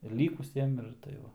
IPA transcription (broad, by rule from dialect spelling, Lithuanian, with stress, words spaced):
ɪr ˈlʲiːkʊsʲiɛm ɪr tɐɪ ˈʋɐ